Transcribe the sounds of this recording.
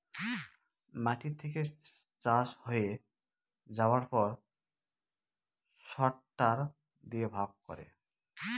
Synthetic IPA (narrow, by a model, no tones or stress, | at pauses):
maʈit̪ʰeket͡ʃashoje | d͡ʒawaɾpɔɾ | sɔʈːaɾ | d̪iebʱaɡ̚kɔ̰ɾḛ